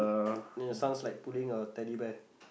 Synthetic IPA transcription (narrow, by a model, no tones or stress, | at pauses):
isãʊ̃nslaɪk̚pulɪ̃ŋət̪ɛlibɛk̚